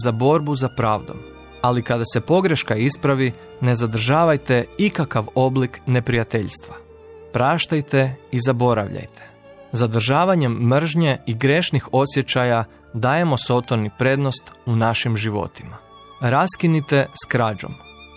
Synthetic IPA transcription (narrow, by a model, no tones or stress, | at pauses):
zabo̞ɾbuzapɾaːʋd̪o̞̰m | alikad̪ase̞po̞ɡɾe̞ʃkaispɾaʋi | ne̞zad̪r̩ʒaːʋajt̪e̞ikakaʋo̞blikne̞pɾijat̪eʎst̪ʋa | pɾaːʃt̪ajt̪e̞izabo̞ɾa̰ʋʎa̰jt̪ʰe | zad̪r̩ʒaːʋaɲe̞mːr̩ʒɲe̞iɡɾeʃnixo̞sje̞t͡ɕaja | d̪aːje̞mo̞so̞t̪o̞nipɾe̞d̪no̞st̪unaʃimʒiʋo̞̰t̪ima | ɾaskinit̪e̞skɾaːd͡ʑo̞̰m